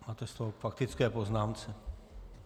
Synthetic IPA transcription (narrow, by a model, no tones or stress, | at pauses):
maːt̪ɛst̪oɦofakt̪ɪt͡skɛːpoznaːmt͡sɛ